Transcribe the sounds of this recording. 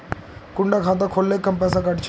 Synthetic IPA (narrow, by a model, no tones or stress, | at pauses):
kʊɳɖakʰaːt̪̬akʰoːlːekːəmpɛːsakɐʈt͡ʃʰ